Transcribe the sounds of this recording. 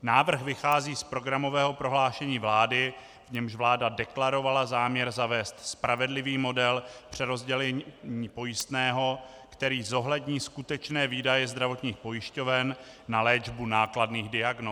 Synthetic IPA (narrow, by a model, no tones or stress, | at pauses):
naːvr̩xvɪxaːziːspɾo̞ɡɾamo̞vɛːɦo̞pɾo̞ɦlaːʃɛɲiːvlaːdɪ | vɲɛmʒvlaːdadɛklaɾo̞valazaːmɲɛɾzavɛːst̪spɾavɛdlɪviːmo̞dɛlpr̝̥ɛɾo̞zɟɛlɛɲiːpo̞jɪst̪nɛːɦo̞ | kt̪ɛɾiːzo̞ɦlɛdɲiːskut̪ɛt͡ʃnɛːviːdajɛzd̪ɾavo̞t̪ɲiːxpo̞jɪʃco̞vɛnː | alɛːd͡ʒbunaːkladniːɣdɪaɡno